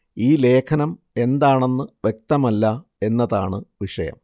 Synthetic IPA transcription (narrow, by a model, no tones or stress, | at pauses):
iːle̞ːkʰɐnɐm | e̞nd̪aːɳe̞nːɨʋje̞k̚t̪ɐmɐlːɐe̞nːɐðaːɳɨʋiʂɐjɐ̰m